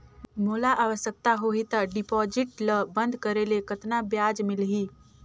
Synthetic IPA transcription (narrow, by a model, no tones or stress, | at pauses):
moːlaʔaːʋəʃək̚t̪aɦoɦit̪aɖɪpɔːd͡ʒɪʈləbə̃nd̪ʱkəɾelekət̪nabjaːd͡ʒmɪlɦiː